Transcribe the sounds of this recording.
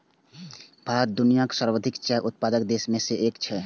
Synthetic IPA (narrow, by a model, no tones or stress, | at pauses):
bʱaɾət̪̚d̪unijaksəɾwəd̪ʱikt͡ʃɛʔʊt̪̚pad̪əkd̪eːsmẽseʔeːkt͡ʃʰɛ